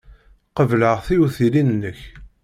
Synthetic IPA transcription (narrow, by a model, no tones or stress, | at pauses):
qəvləʁθiuθilinnːəç